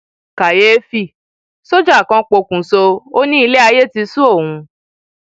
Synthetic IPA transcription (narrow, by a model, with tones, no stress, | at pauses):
ka˨je˦fi˦˨ | so˦d͡ʒa˦˨kã˧k͡po˧kũ˨so˧o˦nĩ˦i˧le˦a˧je˦ti˧su˦o˦˨hũ˧